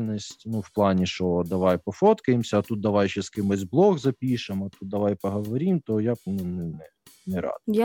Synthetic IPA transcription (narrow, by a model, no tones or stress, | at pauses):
nɔsʲtʲnuwplˠɑnʲiʃɔd̪ɐʋɑjpɔfɔt̪kɐjɪmsʲɐɐt̪ut̪̚d̪ɐʋɑjʃɛskɪmozʲblˠɔɣzɐpʲiʃemɐt̪ut̪̚d̪ɐʋɑjpɐɦɔʋɐɾʲimt̪ɔjabnɛnɛnɛ | nɛɾɑ̰d̪ʊj